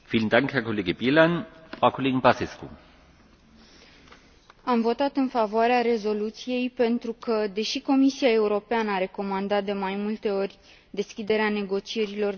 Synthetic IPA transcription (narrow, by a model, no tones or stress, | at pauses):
fiːləndaŋkhɛɐkʰoleːɡəbilanfʁaʊkʰoleːɡŋbaseskṵ | amvo̞t̪at̪ɨnfavoaɾeaɾe̞zo̞lut̪sije̞jpe̞nt̪ɾukəd̪e̞ʃiko̞misijae̞uɾo̞peanəaɾe̞ko̞mand̪at̪̚d̪e̞majmult̪e̞o̞rʲ | d̪e̞skʲid̪e̞ɾeane̞ɡo̞t͡ʃie̞ɾilo̞r